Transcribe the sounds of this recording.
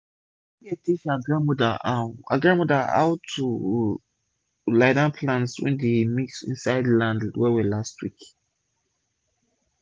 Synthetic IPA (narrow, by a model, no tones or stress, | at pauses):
ietʰiʃaɡɹãnmɔdaaa̰ɡɹãnmɔda̰a̰ʊtʰːu | laɪdãnpʰlãnswɛ̰̃ndemiksḭ̃nsaɪdlãndwɛwilastʰwik